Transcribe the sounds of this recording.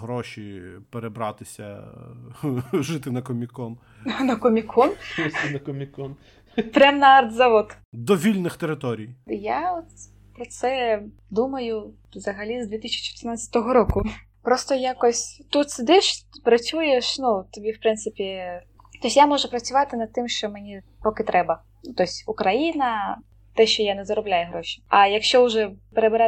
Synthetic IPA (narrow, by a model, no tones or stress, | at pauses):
ɦɾɔʃʲipeɾebɾɑt̪ɪsʲɐ̰ | ʒɪt̪ɪnɐkɔmʲikɔn | nɐkɔmʲikʰɔnsɪnɐkɔmʲikɔn | pɾʲamnɐard̪zɐʋɔt̪ | d̪ɔʋʲilʲnɪxt̪eɾɪt̪ɔɾʲijjaɔt̪ | pɾɔt̪sɛ | d̪umɐjʊ | wzɐɦɐlʲizd̪ʲʋʲit̪isʲi̥t͡ʃɪ̥t̪ɪrnat̪ʲːɐt̪ɔɦɔɾɔkʊ | pɾɔst̪ɔjakɔsʲt̪ut̪sɪd̪ɪʃpɾɐt͡sʲujeʃnut̪ɔbʲiwpɾɪnsɪpʲi | t̪ɔsʲjamɔʒʊpɾɐt͡sʲʊʋɑt̪ɪnɐd̪̚t̪ɪmʃt͡ʃɔmenʲi | pɔkɪt̪ɾʔɛbɐ | nut̪ɔsʲʊkɾɐjinɐ | t̪ɛʃt͡ʃɔjanɛzɐɾɔblʲajɛɦɾɔʃʲi̥ɐjɐkʃt͡ʃɔʊʒɛpeɾebeɾɛ